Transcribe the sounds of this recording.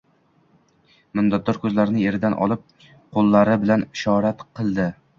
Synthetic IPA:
mɪnd̪ɒt̪̚d̪ɒɾkʰɵzlaɾɪnɪe̞ɾɪd̪anʔɒ̰lˠɪp̚ | qʰolˠːaɾɪbɪlanɪʃɒɾat̪qʰɨlˠd̪ɪ

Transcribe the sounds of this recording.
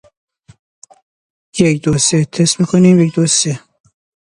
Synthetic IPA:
jekd̪oset̪ʰesmiːkʰoniːmjecd̪ose

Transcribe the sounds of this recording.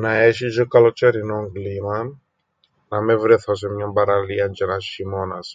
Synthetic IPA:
nɐeɕizokɐlot͡ʃeɾinoŋɡlimɐ | nɐmevɾeθos̬emɲɐmbɐɾɐliɐnd͡ʒenɐʃimonɐs

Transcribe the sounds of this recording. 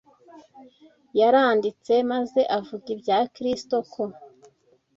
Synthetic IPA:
jaɾaːndit͡se̞maze̞ʔavuɡibjaːkɾisto̞kʰo̞

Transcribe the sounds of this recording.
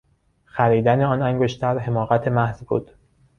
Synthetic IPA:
xæɾiːd̪æneɒːnæŋɡoʃt̪ʰæɾɦe̞mɒːɣæt̪ʰe̞mæhzbṵːd̪̥

